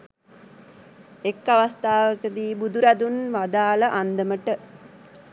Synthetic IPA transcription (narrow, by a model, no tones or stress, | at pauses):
ekːaʋast̪aːʋəkəd̪iːbud̪uɾad̪unʋad̪aːləʔand̪əməʈə